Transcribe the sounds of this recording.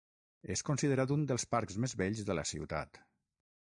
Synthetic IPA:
eskunsiðəɾat̪und̪əlˠspaɾkzmezβɛʎzðələ̰sḭwt̪a̰t̪

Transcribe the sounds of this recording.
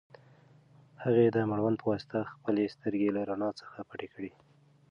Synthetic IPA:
haɣed̪əmaɽwand̪pʰəwɑsɪ̥t̪axpəlest̪əɾɡelaɾanɑt͡sə̥xapaʈekɽi

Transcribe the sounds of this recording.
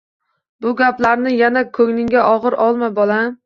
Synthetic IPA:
bʊɡʲaplaɾnɪjanakʰɵŋnɪŋɡʲaʔɒʁɨɾʔɒlˠmajbɒla

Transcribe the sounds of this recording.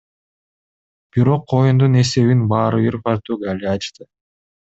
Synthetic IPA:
b̥iɾo̞qʰːo̞jund̪une̞se̞βinbɑːɾɯiɾpɑɾt̪uːɡalʲiɑt͡ʃt̪ɯ

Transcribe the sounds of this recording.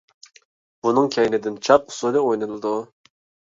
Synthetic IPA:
b̥unɨŋkʲʰɛjnɪd̪ɪnt͡ʃʰɑp̚ʊ̥sulˠɨojnɨlˠɨd̪u

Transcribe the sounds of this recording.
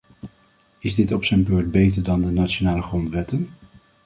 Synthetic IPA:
ɪzdɪtɔpsəjnbøːɹd̚bejtəɹdɑndənat͡ʃonaːləχrɔntʋɛtən

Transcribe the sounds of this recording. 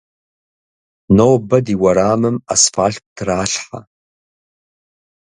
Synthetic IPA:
nowbɐdiwɐɾaːmɨma̰sfaːɬk̚ʷʼtʰraːɬħa̰

